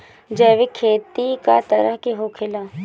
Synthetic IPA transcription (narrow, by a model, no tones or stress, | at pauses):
d͡ʒɛːʋekʰeːt̪ika̰t̪ɐɾəɦkeɦokʰɪlaː